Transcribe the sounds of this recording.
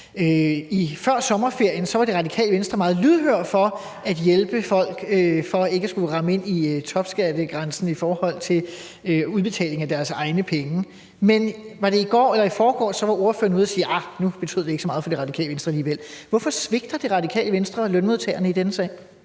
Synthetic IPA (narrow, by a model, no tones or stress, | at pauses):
øifɶɐ̰sɒ̽mɐfe̝ɐ̰jənsɒ̽ʋɑ̈ɾ̥e̝ʁɑ̈d̥ikʰɛ̰ːləʋensd̥ʁɐmɑ̈ːð̞̩ˠlyð̞ˠhøɐ̰̥fɒ̽ | æd̥jelb̥əfɒ̽l̰ɡ̥øfɒ̽e̝ɡ̥əæsɡ̥uʁɑ̈məe̝n̰iøt͡sʰɒ̽b̥sɡ̥ædəɡ̥ʁɑnsn̩ifɒːhɒ̽l̰t͡sʰe̝l | øuðˠb̥e̝t͡sʰɛ̰ːle̝ŋæd̥æɐsɑ̈ɪnəpʰeŋə | menʋɑ̈ɾ̥e̝iɡ̥ɒ̰ːelɐifɒːɡ̥ɒ̰ːsɒ̽ʋɑ̈ʔo̝ɐfø̰ɐnuð̞̰ˠɐsiːʔɑnub̥e̝t͡sʰy̰ð̰ˠd̥eɡ̥sɒmɑ̈ːð̩ˠfɒ̽deʁɑ̈d̥ikʰɛ̰ːləʋensd̥ʁɐæliːʋel̰ʋɒfɒsʋe̝ɡ̥̚d̥ɐd̥e̝ʁɑ̈d̥ikʰɛ̰ːləʋensd̥ʁɐlœnmo̝ð̞ˠt͡sʰɛ̰ːɐnəid̥enəsɛ̰ː